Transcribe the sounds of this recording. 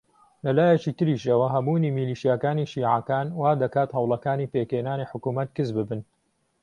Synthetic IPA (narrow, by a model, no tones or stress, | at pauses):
lɐlaːjɐt͡ʃit̪ɨɾiːʃɐwɐɦɐbuːniːmiliːʃijaːkaːniːʃiːʕakaːnwaːd̪ɐkaːt̪hɐwlɐkaːniːpeːkheːnaːniħʊkuːmɐt̪̚kɨzbɨbɨn